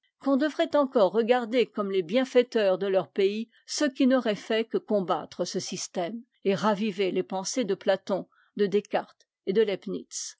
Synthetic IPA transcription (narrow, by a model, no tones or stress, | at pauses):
kɔ̃d̪əvʁɛt̪ɑ̃kɔʁːəɡaʁd̪ekɔmlebjɛ̃fɛt̪œʁd̪əlœʁpei | səkʲinɔʁɛfɛkəkɔ̃ba̰t̪χəsəsist̪ɛm | eʁavivelepɑ̃sed̪əplat̪ɔ̃ | d̪əd̪ekaʁt̪ | ed̪əlɛpnḭt̪s